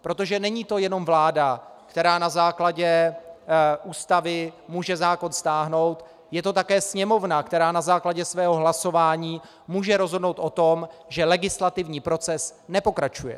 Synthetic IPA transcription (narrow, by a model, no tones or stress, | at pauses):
pɾo̞t̪o̞ʒɛnɛɲiːt̪o̞jɛno̞mvlaːdakt̪ɛɾaːnazaːklaɟɛ | ʔuːst̪avɪmuːʒɛzaːko̞nst̪aːɦno̞wt̪ | jɛt̪o̞t̪akɛːsɲɛmo̞vnakt̪ɛɾaːnazaːklaɟɛsvɛːɦo̞ɦlaso̞vaːɲiː | muːʒɛɾo̞zɦo̞dno̞wt̪ʔo̞t̪o̞mʒɛlɛɡɪslat̪ɪvɲiːpɾo̞t͡sɛsnɛpo̞kɾat͡ʃujɛ̰